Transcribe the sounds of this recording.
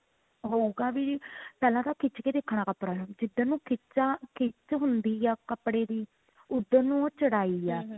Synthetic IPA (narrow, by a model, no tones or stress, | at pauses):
ɦoːuɡaːʋipɛːlãːt̪aːkʰɪt͡ʃkeːd̪eːkʰɽ̃ãːkəpɽaːd͡ʒɪd̪anũːkʰɪt͡ʃaːkʰɪt͡ʃɦʊnd̪iːaːkəpɽeːd̪iː | ʊd̪ːəɾnõːt͡ʃəɽaːiːɛː